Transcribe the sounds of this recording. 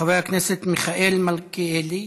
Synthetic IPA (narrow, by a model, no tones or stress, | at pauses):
avejakneset̪miχaʔelmalkeeli